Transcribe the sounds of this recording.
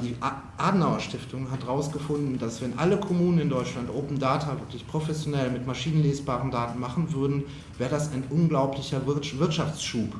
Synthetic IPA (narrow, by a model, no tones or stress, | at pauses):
d̥iːʔ | ʔaːdn̩aʊɐʃtɪftʰʊŋɦatʁaʊsɡ̥əfʊndn̩dasv̥ɛnʔa̰ləkʰɔmuːnənɪndɔʏtt͡ʃlantʔoːpn̩daːtʰavɪɐklɪçpʁ̥ofɛsjonɛlmɪtmaʃiːnənleːsb̥aːʁən̩daːtn̩maχn̩vʏɐdn̩ | vɛːʁədasaɪnʔʊnɡlaʊplɪçɐvvɪɐtʃaft͡sʃuːp